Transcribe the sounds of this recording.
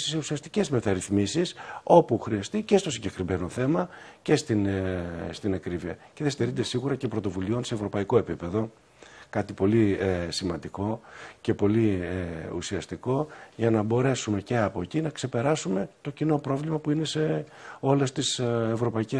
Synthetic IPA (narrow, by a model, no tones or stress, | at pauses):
siseusiɐst̪ice̞zme̞t̪ɐɾiθmisiso̞puxɾiɐst̪ice̞st̪o̞siɲɟekɾime̞no̞θe̞mɐ | ce̞st̪inst̪inɐkɾiviɐ̰ce̞ðest̪eɾind̪e̞siɣuɾɐce̞pɾo̞t̪o̞vulio̞nse̞ːvɾo̞pɐiko̞e̞pipe̞ðo̞ | kɐt̪ipo̞liesimɐnd̪iko̞ce̞po̞lieṵsiɐst̪iko̞ʝɐnɐbo̞ɾe̞sume̞ceɐpo̞cinɐkse̞pe̞ɾɐsume̞t̪o̞cino̞pɾo̞vlimɐpuine̞se̞ | o̞le̞st̪isevɾo̞pɐice